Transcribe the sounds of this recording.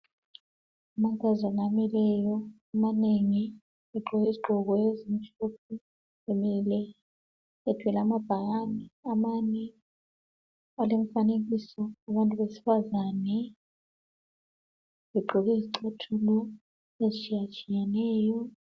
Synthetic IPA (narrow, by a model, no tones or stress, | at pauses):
amaŋkʼazanamilɛjɔ | amaneŋi | βɛɡ͡ǃʱɔɣeziɡ͡ǃʱɔɣɔjezimit͡ʃʰʼop̚ʰu | emɛlɛ | ɛd̥ʱwɛlamab̥ʱaɣaniamanɛ | alem̩faneɣisɔaβantʼuβesi̥fazanɛ | βɛɡ͡ǃʱɔɣeiziǀʰatʰulɔ | ezit͡ʃʰʼijat͡ʃʼijanɛːjɔ